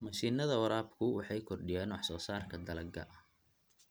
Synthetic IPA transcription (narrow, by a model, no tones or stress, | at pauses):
mɐʃiːnɐðɐwɐɾaːbkʰʊwɑħɑjkʰɔrɖɪjɛːnwɑħsɔːsaːrkʰɐd̪ɐlɐɡɐ̰ʔɐ